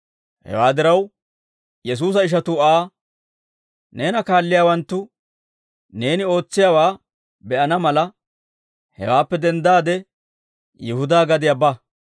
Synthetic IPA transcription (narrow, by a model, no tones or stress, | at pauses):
hɛ̰waːd̪ɪɾɐw | jɛs̬uːs̬ɐɪʃ̬ɐt̪ʊaː | ne̞ːnɐkaːlːɪjaːwɐnt̪ːʊ | ne̞ːnɪo̞ːt͡sːɪjaːwaː | bɛʔɐnɐmɐlɐ | hɛ̰waːpːɛd̪ɛnd̪aːd̪ɛ | jɪhʊd̪aːɡɐd̪ɪjɐba